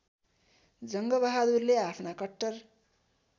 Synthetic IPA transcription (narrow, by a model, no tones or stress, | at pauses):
d͡zʌŋɡʌbaɦad̪urleapʰnakʌʈːʌr